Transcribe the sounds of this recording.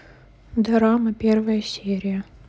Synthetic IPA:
d̪ɐɾaməpʲervəjəsʲeɾʲɪjə

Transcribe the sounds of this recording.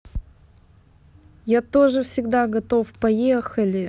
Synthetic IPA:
jat̪o̞ʐɨfsʲɪɡd̪aɡɐt̪o̞fpɐjexəlʲɪ

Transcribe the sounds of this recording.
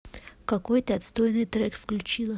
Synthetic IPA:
kakojt̪əɐt̪st̪ojnɨjt̪ɾɛkfklʲut͡ɕilˠə

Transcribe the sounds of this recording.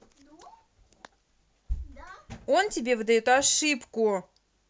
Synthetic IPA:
o̞ntʲɪbʲevɨd̪ɐjot̪ɐʂɨpkʊ

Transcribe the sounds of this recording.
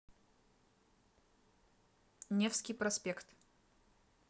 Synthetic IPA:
nʲefskʲijpɾɐsʲpʲɛkt̪

